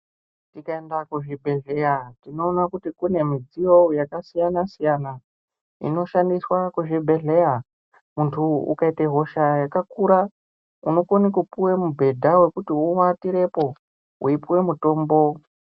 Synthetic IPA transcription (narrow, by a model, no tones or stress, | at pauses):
tikae̞ndakuʐibʱe̞ɮe̞jatino̞ːnakutikune̞mid͡zijo̞jakasijanasijana | ḭno̞ʃandiswakuʐibʱe̞ɮe̞ja | muntʰuṵkaiteɦo̞ʃajakakuɾa | uno̞konikupuwemubʱe̞dʱawe̞kutiuwatiɾe̞po̞ | uipuwe̞muto̞ːmbo̞